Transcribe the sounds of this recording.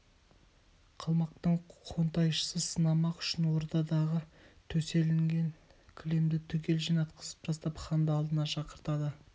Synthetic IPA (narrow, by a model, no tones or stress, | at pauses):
qʰəlˠmɑq̚t̪əɴqʰont̪ɑjʃə̥səsənɑmɑqʏ̥ʃɪnwo̞ɾd̪ɑd̪ɑʁət̪ʰɵse̞lɪŋɡʲe̞nkʲʰʏle̞md̪ɪt̪ʰʏkʲe̞lʒijnɑt̪qə̥zə̥pʒ̥ɑst̪ɑpχɑnd̪əɑlˠd̪ənɑʃɑqəɾt̪ɑd̪ə